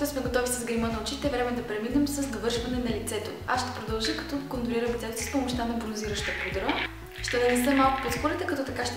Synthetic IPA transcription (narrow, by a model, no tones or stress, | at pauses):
t̪ɛsmɛɡot̪ɔvisəzɡɐjmənɐot͡ʃit̪ɛvɾɛmɛd̪ɐpɾɛminɛmsɐzd̪ɐvɤɾʃvɐnɛnɐlit̪sɛt̪oa̰sʃt̪ɛ̥pɾod̪ɐlˠʒəkɐt̪ɔkond̪ʊɾiɾəmlit̪sɛt̪osi̥spomʊʃt̪anɐbɾonziɾəʃt̪əpud̪ɾə | ʃt̪ɛnɛnɛsɛmːalˠkʊ̥pɾɛt̪poɾɛt̪ɛkɐt̪ɔt̪ɐkaʃt̪